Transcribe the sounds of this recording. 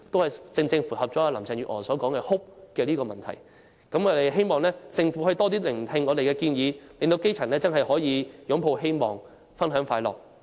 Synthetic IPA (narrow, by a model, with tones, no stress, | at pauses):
t̪o˥whɐ˨˩jt͡sɪ˧ŋt͡sɪ˧ŋfu˨˩hɐ˨p̚t͡ʃɔː˨˥aː˧lɐ˨˩mt͡sʰɛː˨ŋɥyː˨˩ʔhɔː˨˩nsɔː˨˥kɔː˨˥ŋkɛː˧hʊ˥p̚kɛː˧liː˥kɔː˧mɐ˨nt̪ʰɐ˨˩j | kɐ˨˥mɔː˨˧d̪e˨jɦe˥jmɔː˨˩ŋlɛː˥t͡sɪ˧ŋfu˨˥hɵ˧jt̪ɔː˥t̪̬iː˥lɪ˨˩ŋt̪ʰɪ˧ŋːɔː˨˧t̪e˨jkɛː˧kiː˧njiː˨˧le˨˧ŋt̪o˧wke˥jt͡sʰɐ˨˩nlɛː˥t͡sɐ˥nɦɐ˨jhɔː˨˥jiː˨˧jʊ˨˧˥ŋpʰo˧wɦe˥jmɔː˨˩ŋ | fɐ˥nɦœː˨˥ŋfaː˧jlɔ̰ː˨˩k̚